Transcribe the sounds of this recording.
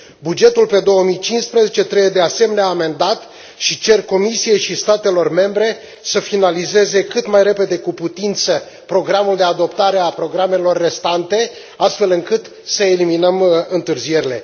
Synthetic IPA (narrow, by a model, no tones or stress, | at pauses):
bud͡ʒe̞t̪ulpe̞d̪o̞wəmijt͡ʃinspɾezet͡ʃe̞t̪ɾebed̪e̞ase̞me̞neaːme̞nd̪at̪ | ʃit͡ʃe̞rko̞misije̞jʃist̪at̪e̞lo̞rme̞mbɾe̞ | səfinalize̞ze̞kɨt̪majɾe̞pe̞d̪e̞kuput̪int̪sə | pɾo̞ɡɾamuld̪e̞ad̪o̞p̚t̪aɾe̞apɾo̞ɡɾame̞lo̞rːe̞st̪ant̪e̞ | ast̪fe̞lɨŋkɨt̪ | səeliminəmɨnt̪ɨrzije̞ɾile̞̰